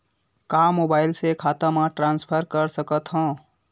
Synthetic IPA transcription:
kamobaɪlsekʰat̪əmãʈɾanspʰəɾkəɾsəkət̪ɦə̃

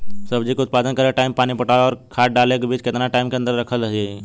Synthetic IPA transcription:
səbd͡ʒikeʊt̪̚paːd̪ənkəɾeʈaːɪmpaːnipəʈaːɔːɾkʰaːʈ̚ɖaːlekebiːt͡ʃkɪt̪naʈaːɪmkeɐ̃nd̪əɾːəkʰələɦe

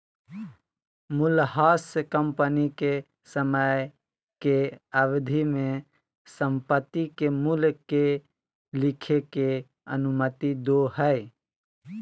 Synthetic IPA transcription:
mʊlɦaːskəmpənike | səməj | keaʋd̪ʱimẽ | səmpət̪ːikemʊlke | lɪkʰeke | ə̰nʊmət̪id̪oɦɛɪ

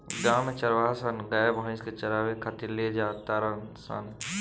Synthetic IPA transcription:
ɡaːmet͡ʃɐɾʋaːsɐnɡɐbə̃sket͡ʃɐɾaːʋekʰɐt̪iled͡ʒaːt̪aːɾənsa̰n

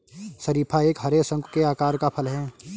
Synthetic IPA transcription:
sɐɾiːpʰaeːkɦɐɾesɐ̃ŋɡkeaːkaːɾkapʰɐlɦɛː

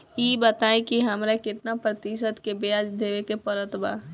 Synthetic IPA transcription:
jibət̪aːikiɦɐmɾakɪt̪napɾət̪ɪʃət̪kebead͡ʒd̪eːʋekepəɾət̪ba

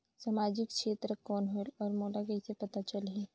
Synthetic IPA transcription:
samaːd͡ʒɪkʰʃeːt̪ɾəkɔːnɦoɔːɾmoːʈakesepɐt̪at͡ʃəlɦi

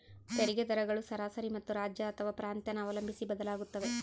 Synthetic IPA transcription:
t̪eɾiɡed̪ɐɾɐɡɐɭusɐɾaːsɐɾimɐt̪ːuɾaːd͡ʒjɐːt̪ʰɐʋaːpɾaːnt̪jɐnɐːʋɐlɐmbʱisibɐd̪ɐlaːɡut̪ːɐʋe̞

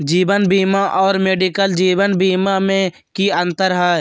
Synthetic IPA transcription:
d͡ʒiːbənbiːmaʔɔːɾmeːɖikəld͡ʒiːbənbiːmamẽ | kiə̃nt̪əɾɦɛ

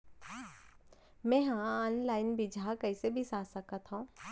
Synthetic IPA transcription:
mɛ̃ːɦãɔːnlaːɪnbʱid͡ʒʱakɐɪsebʱisaːsɐkat̪ɦõː

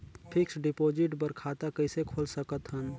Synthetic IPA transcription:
pʰɪksɖɪpod͡ʒɪʈbəɾkʰat̪akəɪsekʰolsəkət̪ɦən

